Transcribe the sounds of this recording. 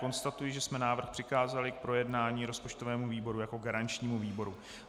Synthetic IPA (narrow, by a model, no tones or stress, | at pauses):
o̞nst̪at̪ujɪʒɛsmɛnaːvr̩xpr̥ɪxaːzalɪk̚pɾo̞jɛdnaːɲiːɾo̞spo̞t͡ʃt̪ovɛːmuviːbo̞ɾujako̞ɡaɾant͡ʃɲiːmuviːbo̞ɾu